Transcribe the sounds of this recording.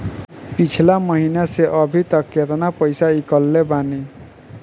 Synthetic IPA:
pit͡ʃʰilamɔɦinaseʔʌbʱit̪ʌkːet̪ɔnapɔjsaikɔlːebani

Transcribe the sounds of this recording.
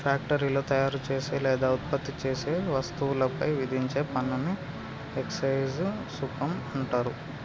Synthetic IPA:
pʰjaːk̚ʈɐɾiːlo̞ːt̪ɐjaːɾut͡ʃe̞ːseːlɛːd̪aːut̪̚pɐt̪ːit͡ʃe̞ːseːʋɐst̪uwulɐpɐjʋid̪ʱiɲt͡ʃe̞ːpɐnːɐni | eksɐjzsupɐmɐɳʈaːɾu

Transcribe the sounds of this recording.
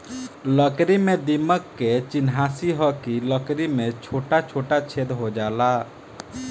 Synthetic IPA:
ləkɾimẽd̪iməkːet͡ʃɪnɦaːsiɦɔkiləkɾimẽt͡ʃʰoːʈat͡ʃʰoːʈat͡ʃʰed̪ɦod͡ʒaːla

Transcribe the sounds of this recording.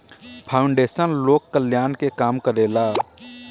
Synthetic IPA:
pʰaːʊɳɖeːsənloːkːəlɪjaːnkekaːmkəɾeːlaː

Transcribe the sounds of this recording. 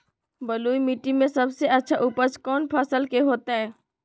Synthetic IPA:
bəluːimiʈimẽsɐbseʔɐtːʃʰaʔuːpəskɔːnpʰaːsəlkeɦoːt̪aɦɛː

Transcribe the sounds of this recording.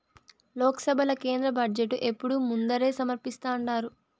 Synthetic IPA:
lɔːkɐ̥sɐbʱɐlɐke̞ːnd̪ɾɐbɐɖd͡ʒeʈːuʔe̞pːuɽumund̪ɐɾe̞ːsɐmɐɾpist̪aːɳɖaːɾu

